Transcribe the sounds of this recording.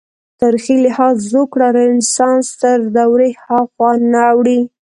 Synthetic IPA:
t̪əɾxilɪhɑzzokɽaɾɪnsɑnst̪əɾd̪awɾehɑxwɑnaːwɽi

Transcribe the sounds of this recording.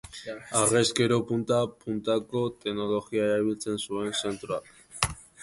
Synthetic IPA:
areske̞ɾo̞punt̪apunt̪ako̞t̪e̞ɡno̞lo̞ɣiaeɾaβilt͡se̞nsue̞nse̞nt̪ɾuak

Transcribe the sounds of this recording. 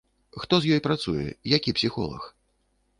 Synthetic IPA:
xt̪ɔzjɔjpɾat̪sujɛ̰jakʲipsʲixɔ̰lˠɐ̰x

